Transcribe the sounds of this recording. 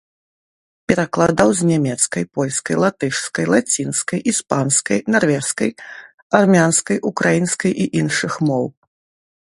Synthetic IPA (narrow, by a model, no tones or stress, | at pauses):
pʲɛɾaklˠad̪awzʲnʲamʲɛt̪skɐjpɔlʲskɐjlˠat̪ɨʂskɐjlˠat͡sʲinskɐjispanskɐjnarvʲɛskɐj | armʲanskɐjʔukɾajinskɐjʔiʔinʂɨxmɔw